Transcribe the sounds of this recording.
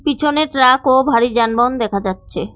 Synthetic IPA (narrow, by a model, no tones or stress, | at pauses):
pit͡ɕʰoneʈɾakobʱaɾid͡ʑanbɔnd̪ɛkʰad͡ʑatːɕʰe